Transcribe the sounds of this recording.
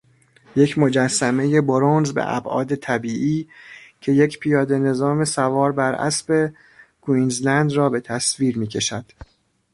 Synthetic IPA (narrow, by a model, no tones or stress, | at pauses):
jecʰmo̞d͡ʒæsːæme̞je̞boɾonzbḛʔæ̰bʔɒ̰ːd̪e̞t̪ʰæbiːʔiːcʰe̞jecʰpʰijɒːd̪e̞ne̞zɒːme̞sævɒːɾbæɾʔæ̰sbe̞ | ɡ̥uinzlænd̪rɒːbe̞t̪ʰæsviːɾmiːcʰe̞ʃæd̪̥